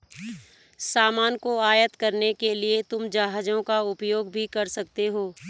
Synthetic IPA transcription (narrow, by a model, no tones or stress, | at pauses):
saːmaːnkoaːjət̪kɐɾnekeliet̪ʊmd͡ʒaːɦd͡ʒõkaʊpjoːɡ̚bʱikɐɾsɐk̚t̪eɦoː